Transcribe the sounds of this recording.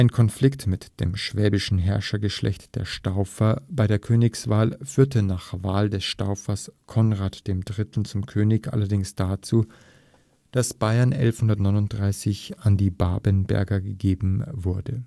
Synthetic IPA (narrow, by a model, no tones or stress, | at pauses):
ʔʔaɪnkʰɔnflɪktmɪtd̥ḛːmʃv̥ɛːbɪʃn̩ɦɛɐʃɐɡəʃlʔɛ̰çtd̥ḛːɐʃtaʊfɐb̥aɪɾeːɐkʰøːnɪksv̥aːlfyːɐtʰənaːχvaːldɛsʃta̰ʊfɐskʰɔnʁaːtd̥eːmdʁɪtln̩t͡sʊmkʰøːnɪçʔa̰lɐdɪŋsd̥at͡suː | d̥asb̥aɪɐnʔɛ̰lfhʊndɐtnɔʏnʊnt̚d̥ʁaɪsɪçʔandiːbaːbənbɛ̰ɐɡɐɡəɡeːbm̩vʊɐdə